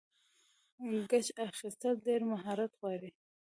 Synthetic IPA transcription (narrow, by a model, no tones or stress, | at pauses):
lɡat͡ʃaxist̪aldeɾmaɦɑɾat̪ɣwɑɾi